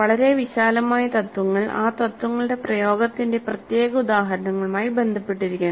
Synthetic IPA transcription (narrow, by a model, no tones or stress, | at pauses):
ʋɐɭɐɾe̞ʋiɕaːlɐmaːjɐt̪ɐt̪wɐŋːɐɭʔa̰ːt̪ɐt̪ːwɐŋːɐɭɨɽe̞prɐjo̞ːɡɐt̪ːinde̞prɐt̪jeːɡɐud̪aːɦɐɾɐɳɐŋːɐɭumaːjibe̞nd̪ʱɐpːeʈːiɾikʲːɐɳ